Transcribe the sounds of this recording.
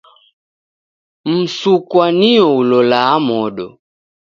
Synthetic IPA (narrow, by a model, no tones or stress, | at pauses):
m̩sukwaniɔulɔlaːmɔɗɔ̰